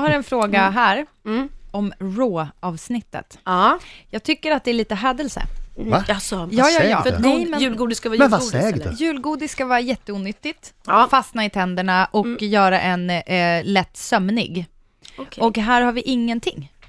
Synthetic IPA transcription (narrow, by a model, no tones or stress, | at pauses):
haɾɛnfɾoːɡaɦæːɾ | ɔmɾoːɑːvsnɪt̪ːə̰t̪ː | jɑːɡ̚t̪ʰʏkːəɾat̪̚d̪ɛːɭiːt̪əɦɛːd̪əlsə̰vaaɔjɑːjɑːɛɑ̰ːfɛmɛʉːlɡuːd̪ɪskavɑːmɛvasɛ̰jʉ̟ːlɡuːd̪ɪsskavɑːɾajɛt̪ːəuːnʏt̪ːɪt̪ː | fast̪naɪt̪ʰɛnd̪əɳaʔɔkjœːɾaʔɛnlɛt̪ːsœmnɪ̰ɡ | ɔkɦæːɾhaɾvɪʔɪŋːənt̪ʰɪŋː